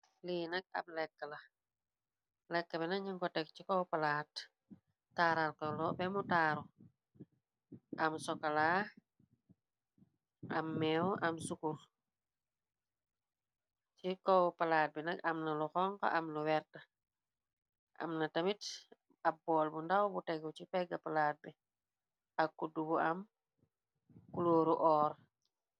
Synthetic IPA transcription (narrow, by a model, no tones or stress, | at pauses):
liːnɐk̚ɐ̰b̚lɛkːəlɐ | lɛkːəbinɐɲaŋkɔtɛk̚cikɔwpɐlaːtː | aːɾalkɐlɔbɛmutaːɾɔ | ʔɐmsɔkɐla | ʔɐmːɛwɐmsukur | t͡ʃikɔwpalaːt̚binɐkɐmnɐluxɔŋka̰ʔamluwɛɾtɐ | ʔa̰mnɐtɐmit | abːɔːlbundawbutɛɡucipɛɡːɐpalaːt̚bi | akːudubuɐm | kuloːɾuʔɔːɾ